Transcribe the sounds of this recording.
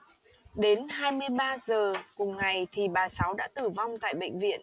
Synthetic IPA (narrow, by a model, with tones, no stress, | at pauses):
ɗe˨˦nhaː˧jmɨ˧əjɓaː˧zəː˨˩kʊ˨˩ŋ͡mŋa˨˩jt̪ʰi˨˩ɓaː˨˩sa˨˦wɗa̰ː˧˥t̪ɨ˨˩va˧wŋ͡mt̪a̰ː˧˨jɓə̰˧˨jŋ̟vḭ˧˨ən